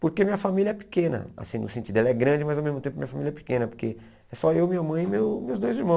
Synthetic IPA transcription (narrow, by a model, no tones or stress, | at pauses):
poɾkemĩɲɐfamiljɐɛpi̥kẽnɐ̰a̰sĩnʊ̰sẽnt͡ʃid̪ʊɛlɐɛɡɾɐ̃d͡ʒɪmazawmezmʊt̪ẽpʊɐmĩɲɐfamilɐɛpi̥kẽnɐpoɾke | ɛsɔewmĩɲɐmɐ̃j̃ɪmewmewzd̪ojziɾmɐ̃w̃